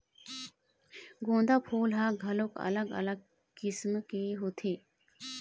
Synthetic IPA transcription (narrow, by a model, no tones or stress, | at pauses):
ɡõːnd̪aːpʰuːlɦãɡʱɐlokɐ̰ləɡɐ̰ləɡ̚ | kismkiɦut̪ʰiː